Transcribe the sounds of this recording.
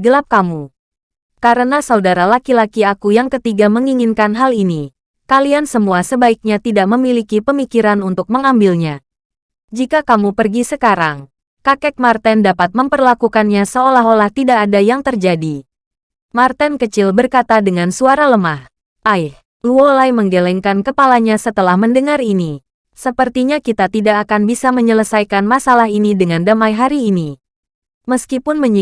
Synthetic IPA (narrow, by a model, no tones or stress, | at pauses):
ɡəlap̚kamu | kaɾənasaudaɾalakilakiakujaŋkət̪iɡaməŋiŋinkanɦalini | kaliansəmuasəbaik̚ɲat̪idaʔməmilikipəmikiɾanunt̪ʊk̚məŋambilɲa | d͡ʒikakamupərɡisəkaɾaŋ | kakɛk̚mart̪ɛndapat̪̚məmpərlakukanɲasəolaɦolaht̪idaʔːdajaŋt̪ərd͡ʒadi | mart̪ɛnkət͡ʃɪlbərkat̪adəŋansuaɾaləmah | ʔajh | luolajməŋɡelɛŋkankəpalaɲasət̪əlahməndəŋaɾini | səpərt̪iɲakit̪at̪idaʔːkanbisaməɲələsajkanmasalaɦinidəŋandamajɦaɾiːni | məskipʊnməɲi